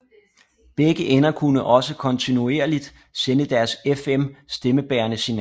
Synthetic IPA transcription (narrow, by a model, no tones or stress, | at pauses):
b̥eɡ̥əʔenɐkʰunəʔɒ̽səkʰɒ̽nt͡sʰinue̝ɐlid̥ | senəd̥æɐsefemsd̥eməb̥ɛːɐnəsinɛ